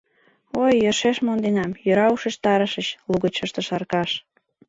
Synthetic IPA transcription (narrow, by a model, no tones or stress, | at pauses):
ojːərʃeʃmond̪enɑmjøɾɑuʃĕʃt̪ɑɾə̆ʃə̆t͡ɕluɣə̆t͡ɕə̆ʃt̪ə̆ʃɑrkɑʃ